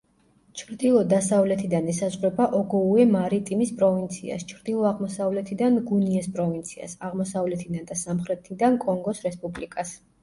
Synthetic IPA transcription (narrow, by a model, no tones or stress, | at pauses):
t͡ʃʰɾd̪ilˠɔd̪asavlɛt̪ʰid̪anɛsazʁɾɛbaʔɔɡɔuɛmaɾit̪ʼimispʼɾɔvint̪sʰḭa̰st͡ʃʰɾd̪ilˠɔaʁmɔsavlɛt̪ʰid̪anɡuniɛspʼɾɔvint̪sʰia̰saʁmɔsavlɛt̪ʰid̪and̪asamχɾɛt̪ʰid̪ankʼɔŋɡɔsɾɛspʼublikʼas